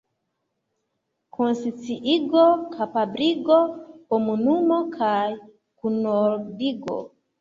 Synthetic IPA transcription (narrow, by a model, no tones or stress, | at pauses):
kʰonsit͡siʔiɡokʰapabɾiɡokomunumokʰaj | kunoɾdiɡo̰